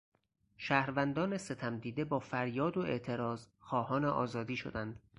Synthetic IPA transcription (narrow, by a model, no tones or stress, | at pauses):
ʃæːhɾvænd̪ɒːne̞se̞t̪ʰæmd̪iːd̪ebɒːfæɾjɒːd̪oe̞̰ʔt̪ʰe̞ɾɒːzxɒːhɒːneʔɒ̰ːzɒːd̪iːʃo̞̰d̪ænd̪̥